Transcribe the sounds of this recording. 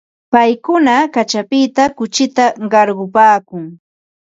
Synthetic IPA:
pajkʊnakat͡ʃapɪt̪akʊt͡ʃɪt̪aɢɑɾɢʊpaːkʊŋ

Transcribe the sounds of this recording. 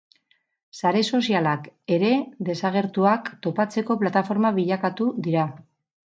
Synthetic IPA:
saɾe̞so̞sialake̞ɾe̞ðe̞saɣ̞e̞ɾt̪uakt̪o̞pat͡se̞ko̞plat̪afo̞ɾmaβiʎakat̪uðiɾa

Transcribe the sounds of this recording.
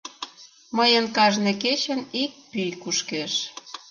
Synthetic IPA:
məjənkɑʒneket͡ɕənik̚pyjkuʃkeʃ

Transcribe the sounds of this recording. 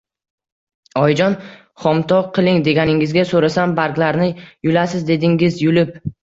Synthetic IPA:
ɒjd͡ʒɒn | χɒmt̪ʰɒqʰɨlˠɪŋd̪e̞ɡʲanɪŋɪzɡʲasoɾasambaɾkʲlaɾnɪjʊlasɪzd̪e̞d̪ɪŋɪzjʊlɪp̚

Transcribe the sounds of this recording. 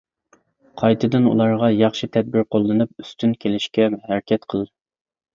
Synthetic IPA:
qʰɑjt̪ʰɨd̪ɨnṵlˠɑɾʁɑjɑχʃit̪ʰɛd̪̚bɪɾqʰolˠːɨnɨp̚yst̪ʰynkʲʰelɪʃkʲɛhɛɾkʲʰɛt̪qʰəlˠ

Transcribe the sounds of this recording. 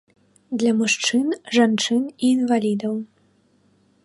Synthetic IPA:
d̪lʲɐmuʂt͡ʂɨnʐant͡ʂɨniːnvalʲid̪ɐw

